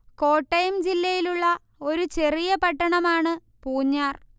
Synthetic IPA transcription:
ko̞ːʈːɐjmd͡ʑilːɐjiluɭːɐ | o̞ɾut͡ɕe̞rijɐpɐʈːɐɳɐmaːɳɨ | puːɲːaːr

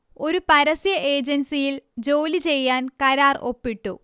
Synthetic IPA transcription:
o̞ɾupɐɾɐsjɐʔe̞ːd͡ʑɐnsijild͡ʑoːlit͡ɕe̞jːaːnkɐɾaːro̞̰pːiʈːṵ

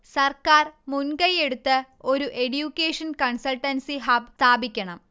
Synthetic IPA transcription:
sɐrkaːrmunkɐjeɽut̪ːɨ | o̞ɾuʔeɽjuːkʲːeːʂɐnkɐɳsɐlʈɐnsiɦaːbst̪ʰaːbikʲːɐɳɐm

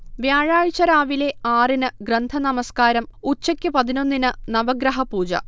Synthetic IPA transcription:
ʋjaːɻaːɻt͡ɕːɐɾaːʋile̞aːrinɨɡɾɐnd̪ʱɐnɐmɐskaːɾɐmut͡ɕːɐkʲːɨpɐðino̞nːinɨnɐʋɐɡɾɐɦɐpuːd͡ʑɐ̰

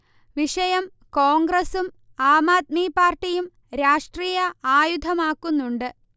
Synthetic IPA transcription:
ʋiʂɐjɐm | koːŋɡɾɐsum | aːmaːt̪̚miːpaːrʈːijum | ɾaːʂʈriːjɐaːjud̪ʱɐmaːkːunːuɳɖɨ

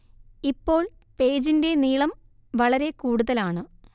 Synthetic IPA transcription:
ipːo̞ːɭ | pe̞ːd͡ʑinde̞niːɭɐm | ʋɐɭɐɾe̞kuːɽuðɐlaːɳɨ

